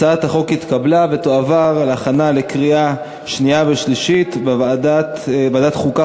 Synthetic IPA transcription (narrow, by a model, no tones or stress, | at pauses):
aat̪aχo̞kit̪kablavet̪oavaʁleaχanale̞kʁia | ʃniaveʃliʃit̪bevaːd̪at̪badat̪χuka